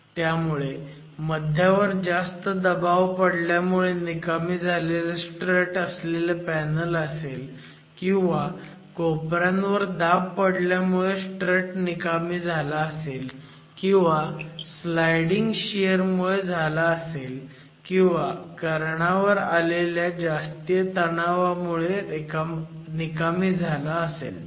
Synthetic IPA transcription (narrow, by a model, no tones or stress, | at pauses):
t̪jamuɭe | məd̪ʱjaʋəɾd͡zast̪əd̪əbaʋpəɽljamuɭenikamiːd͡zʱaleləsʈɾeʈəsleləpænələsel | kĩw̃ʋa | kopɾãnʋəɾd̪appːəɽljamuɭesʈɾeʈnikamiːd͡zʱalaəsel | kĩw̃ʋaslajɽiŋɡɕijəɾmuɭed͡zʱalaːsel | kĩw̃ʋakəɾɳaʋəɾaleljad͡zast̪ijət̪ənaʋamuɭeekanikamid͡zʱalaəsḛl